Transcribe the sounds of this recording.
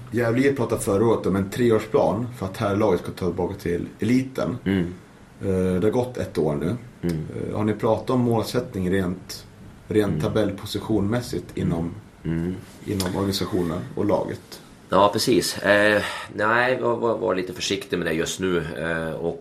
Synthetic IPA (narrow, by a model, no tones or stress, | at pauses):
jævliːɾpʰɾɑːt̪at̪fœɾəoːɾət̪ɔmɛnt̪ʰɾeːoːʂpʰlɑ̰ːnfœɾat̪hæːɾlɑːɡət̪skʰat̪ʰɑt̪ːɪbɑːkat̪ʰɪlɛliːt̪ə̰n | d̪ɛhaɾɡɔt̪ʰːɛ̰t̪ːoːɳʉ̟̰ː | haɳɪpʰɾɑːt̪at̪ɔmːoːlsɛt̪nɪŋɾeːnt̪ | ɾeːnt̪ʰːabɛlːpʰʊsɪɧuːnmɛsːɪt̪ʰɪnːɔm | ʔɪ̰nːɔmʔɔɾɡanɪsaɧuːnənɔ̰lɑ̰ːɡə̰t̪ | jɑːpʰɾɛsiːs | næɪvɪvvɑ̰ɾliːt̪əfœʂɪkt̪ɪmɛd̪ɛjɵst̪nʉːɔk